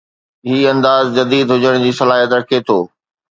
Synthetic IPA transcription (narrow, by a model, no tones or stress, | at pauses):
ɦiːɐ̃nd̪aːzd͡ʑɐd̪iːd̪ɦʊd͡ʑəɽ̃d͡ʑiːsɐlaːɦijət̪ɾɐkʰet̪ʰoː